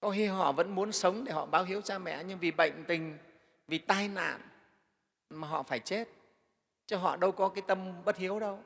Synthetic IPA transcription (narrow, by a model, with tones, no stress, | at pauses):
kɔ˨˦xi˧ɦɔ̰˧˨və̰˧˥nmu˨˦ənsə˨˦wŋ͡mɗe˧˩hɔ̰˧˨ɓaː˨˦wɦi˨˦əwt͡ɕaː˧mɛ̰˧˨ɲɨ˧ŋvi˨˩ɓə̰˧˨jŋ̟t̪ï˨˩ŋ̟ | vi˨˩t̪aː˧jna̰ː˧˨n | maː˨˩ɦɔ̰˧˨faː˧˩jt͡ɕe˦˥t̚ | t͡ɕɔ˧ɦɔ̰˧˨ɗə˧wkɔ˨˦kaː˨˦jt̪ə˧mɓə˦˥t̚hi˨˦əwɗə˧w